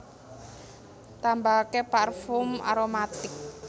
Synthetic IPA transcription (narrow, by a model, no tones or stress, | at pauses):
t̪ambakeparfʊma̰ɾomat̪ɪk̚